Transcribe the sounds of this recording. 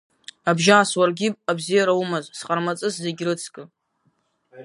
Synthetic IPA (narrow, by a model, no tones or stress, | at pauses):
abʒaːswarɡʲɪpʼabzijaɾaumazsqʼarmat͡sʼɨszeɡʲrɨt͡sʰkʼɨ